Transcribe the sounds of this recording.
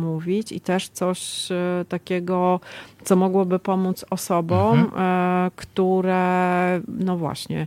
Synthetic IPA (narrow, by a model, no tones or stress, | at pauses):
muvʲit͡ɕḭt̪ɛʂt̪sɔɕt̪akʲɛɡɔt̪sɔmɔɡwɔbɘpɔmut̪sɔsɔbɔ̃m | kt̪uɾɛ | nɔvwa̰ɕɲɛ̰